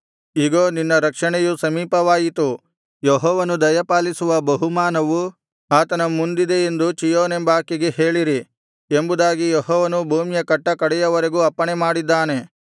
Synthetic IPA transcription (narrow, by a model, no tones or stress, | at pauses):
iɡoːninːɐɾɐkʂɐɳɛjusɐmiːpɐʋaːjit̪u | jeɦɔːʋɐnud̪ɐjɐpaːlisuʋɐbɐɦumaːnɐʋu | aːt̪ɐnɐmund̪id̪e̞end̪ut͡ʃijoːnembaːkːiɡehe̞ːɭiɾi | embud̪aːɡijeɦɔːʋɐnubʱuːmjɐkɐʈːɐkɐɽɛjɐʋɐɾeɡuːɐpːɐɳemaːɽid̪ːaːne̞